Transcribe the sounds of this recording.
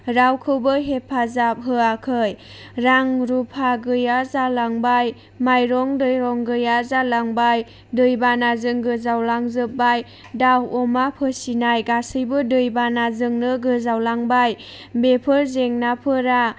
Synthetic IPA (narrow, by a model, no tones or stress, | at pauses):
ɾawkʰɯwbɯɦepʰazap̚ɦɯakʰɯj | ɾaŋɾupʰaɡɯjazalaŋbaj | majɾɔŋdɯjɾɔŋɡɯjazalaŋbaj | dɯjbanazɯŋɡɯzawlaŋzɯp̚baj | dawɔmapʰɯsinajɡasɯjbɯdɯjbanazɯŋnɯɡɯzawlaŋbaj | bepʰɯɾzeŋnapʰɯɾa